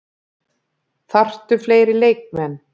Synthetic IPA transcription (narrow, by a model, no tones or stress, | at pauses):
θar̥t̪ʏfleːjɾɪleːjk̚mɛn